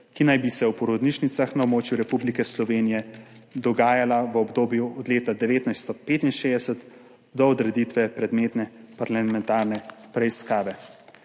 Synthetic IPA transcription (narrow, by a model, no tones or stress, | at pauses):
kinajbisɛwpɔɾod̪niʃnit̪saxnaobmoːt͡ʃjuɾɛpublikɛslɔʋeːnijɛd̪ɔɡaːjalaʋəɔbd̪oːbjuɔd̪leːt̪ad̪ɛʋeːt̪najst̪ɔpeːt̪inʃeːd̪ɛsət̪ | d̪ɔɔd̪ɾɛd̪it̪ʋɛpɾɛd̪meːt̪nɛpaɾlamɛnt̪aːɾnɛpɾɛiskaːʋɛ